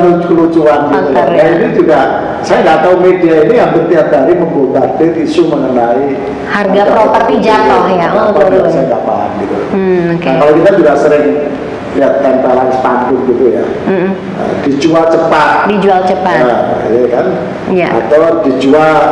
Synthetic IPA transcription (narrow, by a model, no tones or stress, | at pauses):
lukəlut͡ʃuanɡit̪ujanainid͡ʒuɡa | sajaŋɡaʔt̪aumediainijaŋbərt̪iap̚daɾiməmbobadɪt̪isuməŋənai | harɡapəɾɔp̪ərt̪id͡ʒat̪ɔhjat̪ɔsajaŋɡa̰pa̰a̰nɡit̪uokkalokit̪ad͡ʒuɡasəɾɪŋ | əliat̪̚ːanpalanspandʊt̪̚ɡit̪uja̰ | ə̰d̥id͡ʒualt͡ʃəpat̪̚did͡ʒualt͡ʃəpaə̰jakan | jaa̰t̪awd̥id͡ʒual